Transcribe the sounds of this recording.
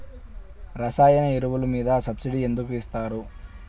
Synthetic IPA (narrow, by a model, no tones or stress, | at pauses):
ɾɐsaːjɐnɐiɾuʋulumiːd̪ɐsɐbsiɽie̞nd̪ukuist̪aːɾu